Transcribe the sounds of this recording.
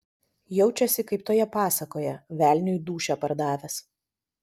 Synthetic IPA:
jɛʊt͡ʃʲɛsʲɪkɐɪpt̪oːjɛpɑːsɐkoːjɛʋʲæːˑlʲnʲɪjd̪uːʃʲɛpɐɾd̪ɑːʋʲɛs

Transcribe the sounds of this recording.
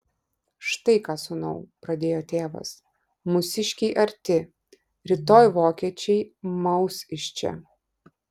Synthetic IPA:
ʃt̪ɐɪkɑːsʊnɐʊpɾɐd̪ʲeːjoːt̪ʲeːʋɐ̰s | mʊsʲɪʃʲkʲɛɪʔɐɾʲt̪ʲɪ | ɾʲɪt̪oːjʋoːkʲiɛt͡ʃʲɛɪmɐʊsɪʃʲt͡ʃʲɛ̰

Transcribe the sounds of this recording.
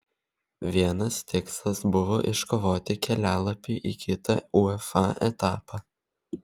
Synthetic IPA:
ʋʲiɛnɐst̪ʲɪkslˠɐsbʊʋo̰ːʔɪʃkoʋoːt̪ʲɪkʲɛlʲæːlˠɐpʲiːʔiːkʲɪt̪ɐʊɛfɑːʔɛt̪ɑːpɑ

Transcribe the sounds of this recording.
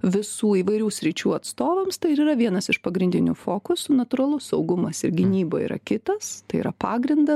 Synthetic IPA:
ʋʲɪsuːiːʋɐɪɾʲuːsʲɾʲɪt͡ʃʲuːɐt̪st̪oːʋɐmst̪ɐɪɪɾiːɾɐʋʲiɛnɐsɪʃpɐɡɾʲɪnʲd̪ʲɪnʲʊfoːkʊsʊnɐt̪ʊːɾɐlˠʊsɒʊɡʊmɐsɪɾɡʲɪnʲiːboːḭːɾʔɐ̰kʲɪt̪ɐst̪ɐɪḭːɾɐpɑːɡɾʲɪnd̪ɐ

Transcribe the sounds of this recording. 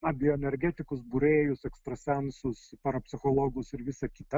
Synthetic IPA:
nɐbʲɪjoːɛnʲɛɾʲɡʲæːt̪ʲɪkʊsbʊɾʲeːjʊsɛkst̪ɾɐsʲɛnsʊspɐɾɐpʲsʲɪxoːlˠoːɡʊsɪɾʋʲɪsɐkʲit̪ɐ

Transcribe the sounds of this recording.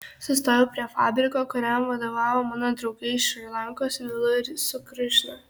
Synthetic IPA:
sʊst̪oːjɛpʲɾʲiɛfɑːbʲɾʲɪkoːkɔɾʲɛmʋɐd̪oːʋɑːʋoːmɑnɐd̪ɾɔʊɡɛɪʃʲɾʲilʲˠɑŋkoːslʲɪlˠʊɾʲsʊkɾʲɪʃʲnɐ

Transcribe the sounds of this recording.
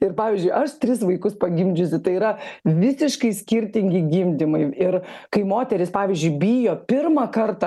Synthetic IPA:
ɪrpɑːʋʲiːzʲd͡ʒʲʊɪʔɐʃt̪ʲɾʲɪsʋɐɪkʊspɐɡʲɪmʲd͡ʒʲʊsʲɪt̪ɐɪiːɾɐʋʲɪsʲɪʃkɐɪsʲkʲɪɾʲt̪ʲɪŋʲɡʲɪɡʲɪmʲd̪ʲɪmɐɪɪrkɐɪmoːt̪ʲɛɾʲɪspɑːʋʲɪːzʲd͡ʒʲʊɪbʲɪjoːpʲɪrmɐkɐrt̪ɑ

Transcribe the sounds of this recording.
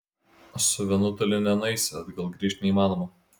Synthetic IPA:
sʊʋʲɛnʊt̪ɐlʲɪnʲɛnɐɪsʲɪɐd̪ɡɐlˠɡɾʲiɛʃʲt̪ʲnʲɛiːmɑːnoːmo

